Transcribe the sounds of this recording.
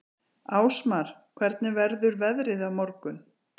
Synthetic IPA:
aːwsmaɾ̥kʰvɛɾt̪nɪvɛɾðʏɾvɛðɾɪðavmɔɾkʏn

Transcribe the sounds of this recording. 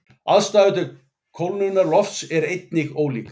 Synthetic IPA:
aðst̪aːvɪt̪̬ʏ | kʰowlnunːaɾlɔft̪sɛɾejt̪̚nɪɣoːwlḭːk

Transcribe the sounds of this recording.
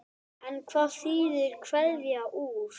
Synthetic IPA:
ankʰvaθiːðʏɾkʰvɛðvjaʔuːɾ̥

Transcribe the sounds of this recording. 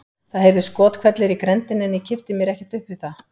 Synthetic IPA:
θaðɦejvðʏskɔːt̪kʰvɛt̪lɪɾikɾɛnt̪ɪnɛnːicʰɪft̪ɪmjɛɾɛhcɛ̥t̪ʏhpvɪθa

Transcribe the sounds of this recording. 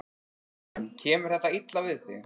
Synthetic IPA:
anːcʰɛːmʏɾ̥θɛht̪ːait̪lavɪðθɪ̰

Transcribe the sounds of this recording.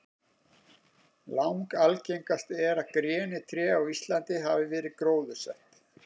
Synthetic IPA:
lawŋkalcejŋkast̪ɛɾaðkɾjɛːnɪt̪ʰɾɛːawist̪lant̪ɪɦavɪvɛːɾɪkɾoːwðʏ̥sɛht̪

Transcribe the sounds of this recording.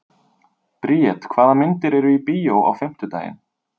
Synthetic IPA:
pɾiːɛt̪kʰvaːðamɪnt̪ɪɾɛɾʏipiːjowa̰wfɪm̥t̪ʏt̪aːjɪ̰n

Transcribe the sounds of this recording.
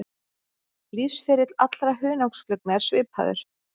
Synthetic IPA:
liːsfɪɾɪt̪lat̪lɾaɦʏːnawksflœknaɛɾ̥svɪːpha̰ðʏ̰ɾ̥

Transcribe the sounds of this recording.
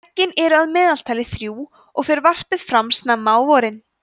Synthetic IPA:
cːɪnɛɾʏaðmɛːðalt̪ʰajlɪθɾjuː | ɔɣfɪɾɪɾvar̥pɪðfɾamsnamːaːwvɔɾɪn

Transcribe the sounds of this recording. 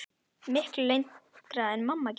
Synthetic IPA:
mɪhkllejnt̪kɾaðɛnmamːac

